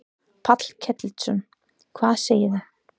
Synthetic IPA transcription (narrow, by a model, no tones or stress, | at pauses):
pʰat̪l̥cʰɛt̪lsʏn | kʰvaːðseːjɪθa